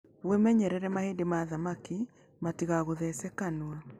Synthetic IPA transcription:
βwemɛɲɛɾɛɾɛmaheːndemaðamaki | matiɣaɣoðɛsɛkanwa

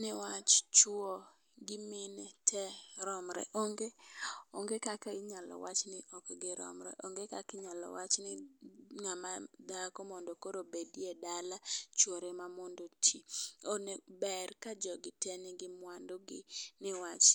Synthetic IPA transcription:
nɪwat͡ʃt͡ʃwo | ɡɪmɪnɛtʰɛɾɔmɾɛ̰ʔoŋɡeoŋɡekakaɲalɔ̰wat͡ʃnɪʔɔkɡɪɾɔ̰mɾɛ̰ʔoŋɡekakɪɲalɔ̰wat͡ʃnɪŋamad̪akɔmɔndokoɾobediedalat͡ʃwoɾemamondotʰionebɛrkad͡ʒɔɡɪtɛnɪɡɪmwandoɡɪ̰nɪwat͡ʃ

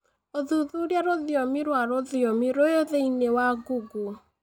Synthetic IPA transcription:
oðuðuɾjaɾoðjɔmiɾwaɾoðjɔmiɾojoðeinewaɡuɡu

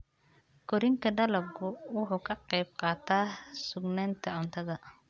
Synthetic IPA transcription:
kʰɔɾɪŋkʰɐɖɐlɐb̚kʰʊwʊħuːkʰɐqɛjb̚qɑːt̪ʰaːsʊɡnaːnt̪ʰɐʕʊnt̪ʰɐðɐ

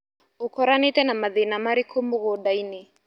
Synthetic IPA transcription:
ʊkɔɾanitɛnamaðenamaɾikʰomʊɣɔɗaine

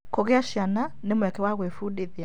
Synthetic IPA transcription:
koɣeaʃjana | nemwɛkɛwaɣwefuɗeðia

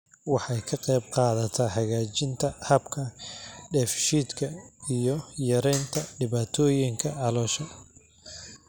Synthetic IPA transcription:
wɑħɑjkʰɐqɛːb̚qɑːðɐt̪ʰɐħɑɣaːt͡ʃɪnt̪ʰɐhɐbkʰɐɖɛːfʃiːd̪kʰɐijɔjɐɾɛjnt̪ʰɐɖɪβaːt̪ʰɔːjɪŋkʰɐʕɑlɔːʃɐ

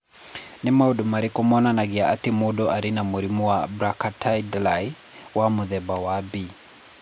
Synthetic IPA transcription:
nimauɗumaɾikɔmɔnanaɡiaʔatimuɗɔaɾinamuɾimuwabɾakatʰajdlaj | wamuðɛbawabi

